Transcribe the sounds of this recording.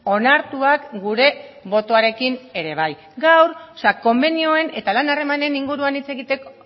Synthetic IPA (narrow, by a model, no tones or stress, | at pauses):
o̞naɾt̪uakɡuɾe̞βo̞t̪o̞aɾe̞kine̞ɾe̞β̞aj | ɡawɾsako̞mbe̞nio̞e̞ne̞t̪alanare̞mane̞niŋɡuɾuanit͡se̞ɣit̪e̞ko